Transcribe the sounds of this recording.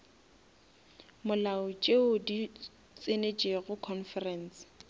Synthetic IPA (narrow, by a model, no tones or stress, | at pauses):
mʊlaʊt͡ʃʼeʊdi | t͡sʼɪnet͡ʃʼeɣʊkʰɔnfɛrɛns